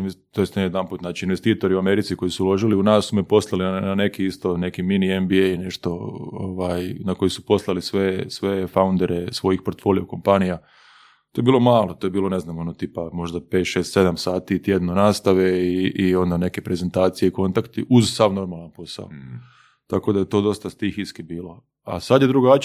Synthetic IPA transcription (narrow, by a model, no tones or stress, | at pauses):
nt̪ojest̪ejed̪anpuːt̪naːt͡ʃiinʋest̪iːt̪o̞ɾiuame̞ɾit̪sikojisuulo̞ʒiliunaːsːumepo̞slˠaliane̞kiist̪o̞ne̞kiminienbiejne̞ʃt̪o̞o̰ʋaːjnako̞jisu̥po̞slˠalisʋesʋe̞faund̪e̞ɾʔesʋo̞jixpo̞ɾt̪fo̞ːlijeko̞mpanija | t̪ojebiːlˠo̞maːlˠot̪ojebiːlˠo̞ne̞znamo̞not̪iːpamo̞ʒd̪ape̞ːt̪ʃeːst̪se̞d̪amsaːt̪it̪jed̪nonaːst̪aʋeiʔio̞nd̪ane̞kepɾe̞ze̞nt̪aːt̪sije̞iko̞nt̪akt̪iʔuzsaʋno̞ɾmalˠanpo̞sa̰o̰ | t̪ako̞d̪ajet̪o̞d̪o̞st̪ast̪ixiskibiːlo̞ | a̰sad̪jed̪ɾuɡat͡ʃ